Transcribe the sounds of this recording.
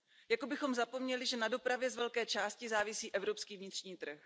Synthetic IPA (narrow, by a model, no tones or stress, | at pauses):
jakobɪxo̞mzapo̞mɲɛlɪʒɛnado̞pɾavjɛzvɛlkɛːt͡ʃaːscɪzaːvɪsiːʔɛvɾo̞pskiːvɲɪt̪r̥ɲiːt̪r̩x